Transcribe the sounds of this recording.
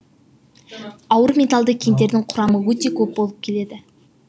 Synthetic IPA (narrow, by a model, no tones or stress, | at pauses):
ɑwəɾmʲe̞t̪alˠd̪əkʲʰemd̪e̞ɾd̪ɪŋqʰʊɾɑməwɵt̪e̞kʲʰɵp̚bolˠəp̚kʲʰe̞le̞d̪ɪ